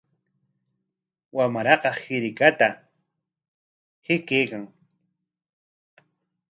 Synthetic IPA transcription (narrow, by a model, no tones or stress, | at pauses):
wamaɾɑqɑhɪɾɪkat̪a | hɪkejkaŋ